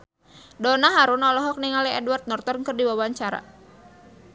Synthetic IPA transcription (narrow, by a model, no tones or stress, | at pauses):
dɔnaɦaɾʊnɔlɔɦɔk̚niŋalɛɛdwart̪̚nɔrt̪ɔrkɨrdiwawaɲt͡ʃaɾa̰